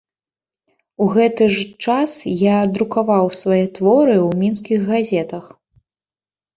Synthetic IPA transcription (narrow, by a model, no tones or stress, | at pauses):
uɣɛt̪ɨʐt͡ʂasjad̪ɾukavawsvajɛt̪vɔɾɨwmʲinskʲiɣɣazʲɛt̪ɐx